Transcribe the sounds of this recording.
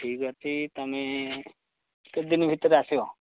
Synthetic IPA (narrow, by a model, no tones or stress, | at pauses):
ʈʰiːkɦɔt̪it̪ɐme | ked̪inbʱit̪ːɾasjo